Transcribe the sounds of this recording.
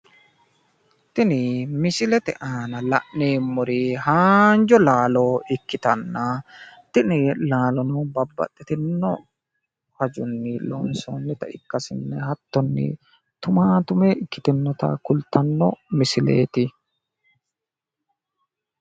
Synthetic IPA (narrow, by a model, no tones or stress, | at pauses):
t̪ɪnɪmɪsɪlɛt̪ɛ̰ʔaːnɐlɐʔneːmːʊɾihaːnd͡ʒɔlaːloːɪkːɪt̪ɐnːɐt̪ɪnɪlaːlɔnɔbɐbːɐ̰t̪ʼːɛt̪ɪnːɔ | hɐd͡ʒʊnːɪloːnsɔnːɪt̪ɐɪkːɐsɪnːɛhɐt̪ːɔnːɪ̰ | t̪ʊmaːt̪ʊmeɪkːɪ̥t̪ɪnːɔt̪ɐ̰kʊlt̪ɐnːɔmɪsɪlḛːt̪ɪ